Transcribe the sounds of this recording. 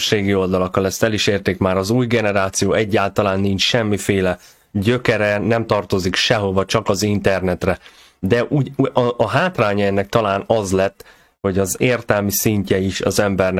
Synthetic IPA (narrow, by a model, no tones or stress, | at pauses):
ʃeːɡio̞ld̪ɒlɒkːɒlɛst̪ɛliʃeːrt̪eːkmaːɾɒzuːjɡɛnɛɾaːt̪sijoːɛɟːaːlt̪ɒlaːnːint͡ʃʃɛmːifeːlɛ | ɟø̞kɛɾɛnɛmt̪ɒrt̪o̞zikʃɛɦo̞vɒt͡ʃɒkɒzint̪ɛrnɛt̪rɛ | d̪ɛʔuːɟʔɒɦaːt̪raːɲɒɛnːɛk̚t̪ɒlaːnɒzlɛt̪ː | ho̞ɟɒzeːrt̪ɛlmisiɲcɛiʃɒ̰zɛmbɛrn